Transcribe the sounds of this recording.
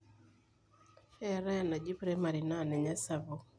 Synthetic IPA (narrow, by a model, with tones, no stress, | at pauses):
ɛ˦˨ɾa˦ja˨na˨d͡ʒi˦pɾe˦ma˨ɾi˨na˦˨nɛ˨ɲa˦sa˨βo˨